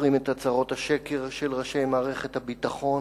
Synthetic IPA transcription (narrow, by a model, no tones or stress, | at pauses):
ʁimet̪hat͡saʁo̞thaʃekeʁʃelʁaʃejmaːʁeχethabitaχo̞